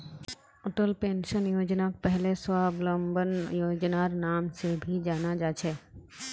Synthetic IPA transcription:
ʊʈəlpẽːnʃənjoːd͡ʒnakpɛɦleswaːblə̃mbənjoːd͡ʒnaɾnaːmsebʱid͡ʒaːnad͡ʒaːt͡ʃʰɛː

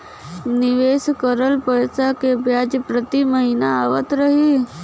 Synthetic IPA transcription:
nɪʋeːskəɾəlpəjsakebjaːd͡ʒpɾət̪iməɦiːnaaːʋət̪ɾəɦi

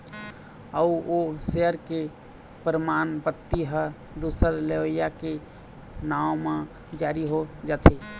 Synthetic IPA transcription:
əuoseɦəɾke | pɾəmanpət̪ːiɦə | d̪usəɾleʋəjake | naomẽ | d͡ʒaɾiɦod͡ʒat̪ʰɛ

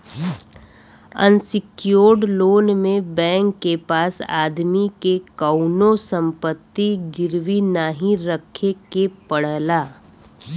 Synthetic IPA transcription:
ə̰nsɪkjoːɖloːnmẽbɛ̃ːŋkːepaːsa̰ːd̪mikekəʊnosə̃mpət̪ːiɡɪɾʋinaːɦĩɾəkʰekepəɽlaː

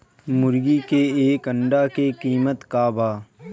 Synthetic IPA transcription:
mʊɾɡikeeːkəɳɖakekiːmət̪kaːbaː

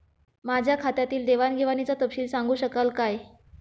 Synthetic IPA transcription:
mad͡ʑʱjakʰat̪jat̪iːld̪eʋanɡʱeʋanit͡sat̪əpɕiːlsaŋɡuːɕəkalkaj

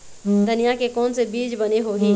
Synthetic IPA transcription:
d̪ʱənijakekɔːnsebiːd͡ʒbɐneɦoɦĩː

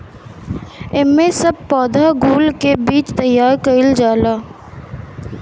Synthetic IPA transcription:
ɪmmẽsəb̚pɔːd̪ʱaɡuːlkebiːt͡ʃt̪əjːaːɾkəɪld͡ʒaːlaː

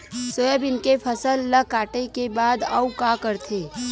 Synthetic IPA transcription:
sojəbɪnkepʰəsəlːəkaːʈekebaːd̪aukakəɾt̪ʰeː

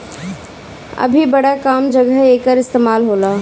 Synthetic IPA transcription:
ɐ̰bʱibɐɽakaːmd͡ʒɐɡəɦeːkəɾɪst̪eːmaːlɦoːlaː

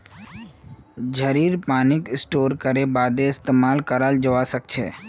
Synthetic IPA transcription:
d͡ʒʱəɾiːɾpaːnɪkɪsʈoːɾkəɾebaːd̪eɪst̪emaːlkəɾald͡ʒəʋasək̚t͡ʃʰḛː

